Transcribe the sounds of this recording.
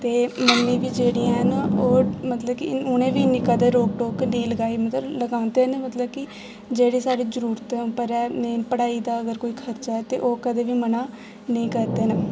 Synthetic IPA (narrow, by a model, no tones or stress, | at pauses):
t̪eːmənːĩːʋiːd͡ʒeːɽiːãːɦnaoːmət̪ləbkɪʊnẽːʋiːnɪkəd̪əɾoːk̚ʈoːkːnəĩːləɡaːimət̪ləbləɡãːnd̪eneːmət̪ləbkɪ | d͡ʒeːɽiːsaːɾiːzəɾuːɾt̪ɛ̃ːʊpːəɾɛːneːpəɽaːiːd̪aːəɡəɾkoːiːkʰəɾt͡ʃaːɛːt̪ḛːʔoːkəd̪eːʋiːmənaː | nəĩːkəɾd̪eːna